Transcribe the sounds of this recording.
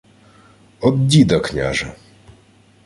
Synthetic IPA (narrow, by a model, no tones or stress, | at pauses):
ɔd̪dʲid̪ɔkɲʲa̰ʐɛ